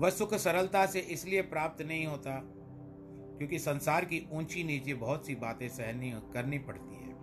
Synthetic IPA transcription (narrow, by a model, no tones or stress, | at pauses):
ʋɐsʊkʰsɐɾəlt̪aseʔɪsliepɾaːp̚t̪nɐɦĩɦoːt̪a | kjõːkisɐ̃nsaːɾkiũːt͡ʃʰiniːt͡ʃibɐɦʊt̪sibaːt̪ẽsɛɦnikɐɾnipɐɽ̤t̪iɦɛ̰ː